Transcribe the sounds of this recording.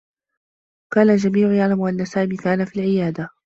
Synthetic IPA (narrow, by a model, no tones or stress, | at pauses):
kaːnald͡ʒamiːʕʊjaʕlamʔanːasaːmiːkaːnafiːlʕɪjaːd̪a